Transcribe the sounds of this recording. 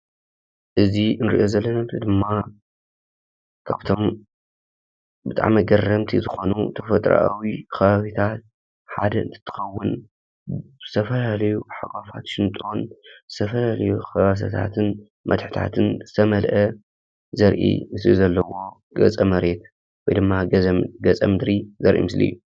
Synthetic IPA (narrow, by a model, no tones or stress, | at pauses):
ʔɨziɨnɾḭʔo̞zɐlːɐnɐmt̪ɨd̪ɨmːa | kʰa̰βt̪ʰo̞m | bɨt̪ʼa̰ʕmiɡɐrɐmt̪ʰizɨxo̞nṵt̪ʰɐfɐt̪ʼɾa̰ʔawixɐβaβit̪ʰat̪̚ | ħad̪ɐʔɨ̰nt̪ʰɨ̥t̪ʰːɨ̥xɐwːʊn | zɨt̪ʰɐfɐlalɐjuħakʼafat̪ʃɪnt̪ʼo̞nzɨ̥t̪ʰɐfɐlalɐjuxɐβas̬ɐ̰t̪ʰa̰t̪ʰɨn | mɐt̪ħɨ̥t̪ʰa̰t̪ʰɨnzɨt̪ʰɐmɐlʔɐ | zɐɾʔḭmɨslizɐlːɐwo̞ | ɡɐ̰t͡sʼɐmɐɾe̞t̪ | wɔjd̪ɨmːaɡɐt͡sʼɐ̰mɨd̪ɾizɐɾʔḭmɨslḭjːu